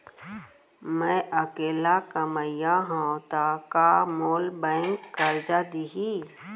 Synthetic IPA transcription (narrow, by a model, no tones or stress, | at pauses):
mɛ̃ʔəkeːlakəməjaɦãt̪akamoːlbɛ̃ːŋkːəɾd͡ʒad̪iɦi